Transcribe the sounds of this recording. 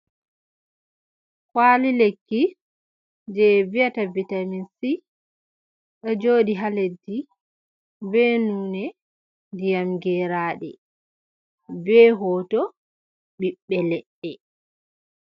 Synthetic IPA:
kwalilekːi | d͡ʒɛvijatavitaminsi | ɗɔd͡ʒoːɗiɦaledːi | bɛnuːnɛ | dijamɡɛɾaːɗɛ̰ | bɛɦɔːtɔ | ɓiɓːɛlɛɗːɛ

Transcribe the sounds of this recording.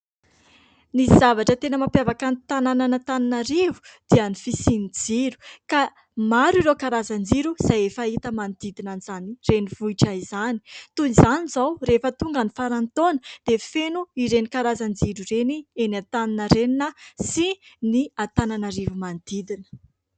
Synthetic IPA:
nisiz̥avaʈ͡ʂət̪enəmapjavakanit̪anananət̪aninaɾivu̥d̪̥ianifisinid͡ziɾu̥ka | maɾiɾokaɾazand͡ziɾuz̥ajefait̪əmand̪̥id̪inanizanireniv̥uiʈ͡ʂaizani̥t̪unizanizawɾefət̪uŋɡanifaɾant̪onəd̪̥efenuiɾenikaɾazand͡ziɾurenienat̪aninəɾeninəsiniat̪ananaɾivumand̪id̪inə̥

